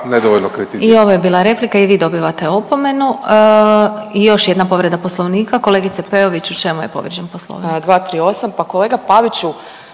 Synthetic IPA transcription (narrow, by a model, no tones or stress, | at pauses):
ned̪oʋolʲnokɾɛt̪iio̞ʋojebiːlˠaɾe̞plikaiʋiːd̪o̞biːʋat̪e̞opo̞me̞nu | ijo̞ʃjed̪napo̞ʋɾe̞d̪aposlˠo̞ʋniːkako̞lˠeːɡit̪sepeoʋit͡ɕut͡ʃe̞mujḛpo̞̰ʋɾid͡ʑenposlˠo̰ʋnd̪ʋaːt̪ɾiːo̞sampako̞leːɡapaʋit͡ʃu